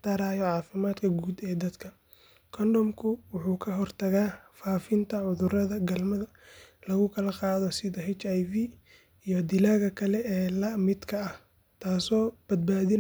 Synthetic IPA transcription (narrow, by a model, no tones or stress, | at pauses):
t̪aɾaːjɔʕɑːfɪmaːd̪kʰɐɡuːd̪ɛːd̪ɐd̪kʰɐ | kʰɔndɔmkʰʊwʊħuːkʰɐɦɔrt̪ʰɐɣaːfaːfɪnt̪ʰɐʕʊðʊrɐðɐɡɐlmɐðɐ | lɐɣʊkʰɐlɐqɑːðɔsɪðɐɦɛt͡ʃajvi | ijɔd̪ɪlaːɣɐkʰɐlɛɛːlɐmɪd̪kʰɐɐh | t̪ʰaːsɔːb̥ɐd̪̚baːðɪn